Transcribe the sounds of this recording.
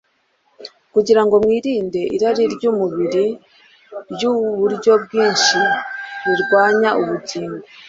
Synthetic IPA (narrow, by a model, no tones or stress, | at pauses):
kuɟiɾaŋɡo̞mwiːɾiːnde̞ʔḭɾaɾiɾɟuːmuβiɾi | ɾjuβuɾɟo̞b̚ɡiːnʃiɾiɾɡwaːɲaʔuβutiːmo